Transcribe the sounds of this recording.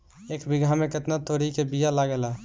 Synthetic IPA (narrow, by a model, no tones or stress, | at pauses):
ekbiɡʱameket̪nat̪oɾikebijalaɡela